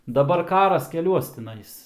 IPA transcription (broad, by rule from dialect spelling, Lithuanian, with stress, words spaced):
dɐˈbɐr ˈkɑːrɐs kʲɛˈlʲuɔs tʲɪˈnɐɪs